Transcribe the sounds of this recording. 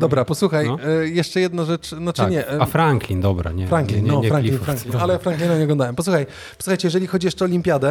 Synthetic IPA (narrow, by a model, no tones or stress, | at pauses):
d̪ɔbɾapɔswuxajjɛʂt͡ʂɛjɛd̪naʐɛt͡ʂnɔt͡ʂɨɲɛafɾaŋklʲind̪ɔbɾa̰ɲɛfɾaŋklʲiɔfɾaŋkʲinfɾaŋklʲinalɛfɾaŋklʲinaɲɛɔɡlɔ̃nd̪awɛmpɔs̬uxaj | pɔ̥swuxajt͡ɕɛjɛʐɛlʲixɔd͡ʑijɛʂt͡ʂɛɔlʲimʲpʲjad̪ɛ